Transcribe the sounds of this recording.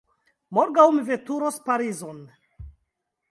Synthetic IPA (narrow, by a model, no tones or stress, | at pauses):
moɾɡawmivetuɾospaɾizon